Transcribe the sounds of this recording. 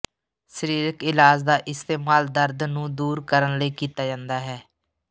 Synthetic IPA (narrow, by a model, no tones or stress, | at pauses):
səɾiːɾəkɪlaːd͡ʒd̪aːʔɪst̪eːmaːld̪əɾd̪nũːd̪uːɾkəɾənləiːkiːt̪aːd͡ʒãːnd̪aːɦɛː